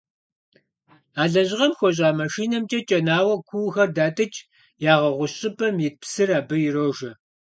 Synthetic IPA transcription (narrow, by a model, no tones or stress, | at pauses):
aːɮɐʑʁɐmxʷɔɕ̬ʼaːmɐʃiːnɐmt͡ʃʼɐt͡ʃʼɐnaːwɐkʷʰuːwxɐrdaːtʼɐt͡ʃʼ | jaːʁɐʁʷʊɕʼɪpʰʼɐmjɪt̚psɨraːbɨjɪroʒɐ